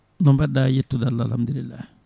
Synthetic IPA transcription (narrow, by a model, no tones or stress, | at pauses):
nɔmbadajetːudalala̰mdiɾila